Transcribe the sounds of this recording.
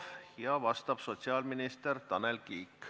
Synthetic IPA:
hijɑvɑst̪ɑb̥so̞t̪siɑːlminist̪ert̪ɑnelkiːk

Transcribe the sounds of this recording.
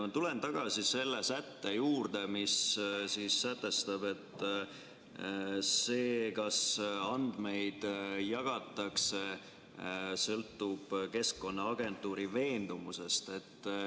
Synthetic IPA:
ɑt̪ule̞nt̪ɑɡ̥ɑsise̞lːesæt̪ːe̞juːrd̪̥e̞missisːæt̪ːˑe̞st̪ɑbe̞t̪ː | se̞ːkɑsɑnd̪̥me̞jd̪̥jɑɡ̥ɑt̪ːˑɑkse | sɤlt̪ːˑub̥ke̞skkːo̞nːɑɑɡ̥e̞nt̪ːˑuːɾive̞ːnd̪̥umuse̞st̪e̞t̪ː

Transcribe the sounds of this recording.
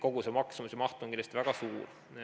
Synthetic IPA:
ko̞ɡusemɑksɑmusjɑmɑht̪oŋkinlːjɑst̪ivæɡ̥ɑsuːr

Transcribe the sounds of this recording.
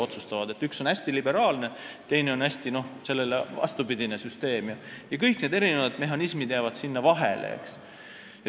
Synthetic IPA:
o̞t̪sust̪ɑvɑd̪̥e̞t̪ːˑykso̞næsʲt̪ilibe̞ɾɑːlne̞t̪ejne̞o̞næsʲt̪ino̞hse̞lːelevɑ̰st̪upid̪inesyst̪e̞ːmjɑjɑkɤjkne̞d̪e̞ɾinevɑd̪̥meɦˑɑnismid̪̥jævɑd̪̥sinːɑvɑɦḛlḛḛks

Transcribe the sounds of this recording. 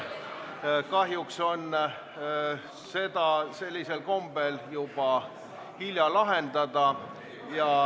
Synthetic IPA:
kɑɦjukso̞n | se̞d̪̥ɑse̞lʲːise̞lko̞mb̥e̞ljub̥ɑ | hilʲjɑlɑɦe̞nd̪ɑd̪ɑ | jɑ

